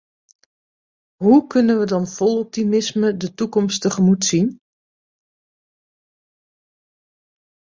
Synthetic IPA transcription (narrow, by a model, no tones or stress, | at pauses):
ɦukʏnənʋədɑnfɔlˠɔp̚timɪsmədətukɔmstəχəmutsin